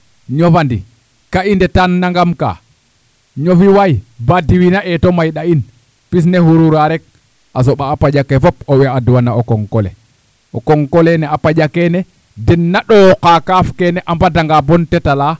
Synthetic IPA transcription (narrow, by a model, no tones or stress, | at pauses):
ɲovandḭ | kaindɛtanːaŋɡamka̰ | ɲofiwajbadiwinaʔɛtɔmajɗain | pis̬nɛhuɾuɾaɾɛk̚ | as̬ɔɓaːpad͡ʒakɛfɔp̚ɔwɛaduwanaokɔŋkɔlɛ̰ | ʔɔkɔŋkɔlɛnɛapad͡ʒakɛnɛ | dɛnːaɗɔkakafkɛnɛʔambadaŋɡabɔntɛtala